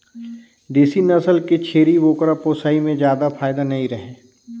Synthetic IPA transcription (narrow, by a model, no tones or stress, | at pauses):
d̪iːsinɐsəlket͡ʃʰeːɾiʋoːkəɾapoːsaːimẽd͡ʒjaːd̪afʰaːjd̪anɐĩɾɐɦẽː